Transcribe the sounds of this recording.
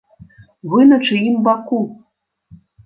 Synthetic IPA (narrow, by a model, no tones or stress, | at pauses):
βɨnɐt͡ʂɨjimbaku